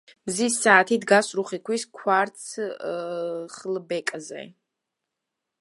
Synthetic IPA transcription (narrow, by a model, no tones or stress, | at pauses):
mzisːaːt̪ʰid̪ɡasɾuχikʰwiskʰwaɾt̪sʰ | χlbɛkʼzɛ̰